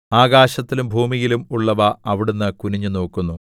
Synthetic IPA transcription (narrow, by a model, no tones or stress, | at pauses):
aːɡaːɕɐt̪ːilumbʱuːmijilumuɭːɐʋɐɐʋiɽunːɨkuniɲːuno̞ːkːunːu